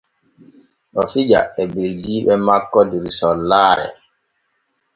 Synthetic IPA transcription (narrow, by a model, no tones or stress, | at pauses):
ɓɔfid͡ʒa̰ɛbildiːɓɛmakːɔdiɾisɔlːaːɾɛ̰